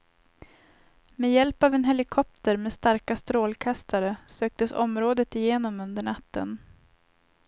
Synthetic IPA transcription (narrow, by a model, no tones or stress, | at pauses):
meːjɛlpavɛnɦɛlɪkʰɔp̚t̪ʰəɾmeːd̪st̪aɾkast̪ɾoːlkʰast̪ʰaɾəsøːk̚t̪əsɔ̰mɾoːd̪ət̪ɪjeːnɔmɵnd̪əɳat̪ːə̰n